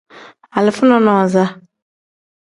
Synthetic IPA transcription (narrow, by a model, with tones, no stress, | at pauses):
a˨lɪ˨fʊ˦nɔ̃˦nɔ̃˨za˦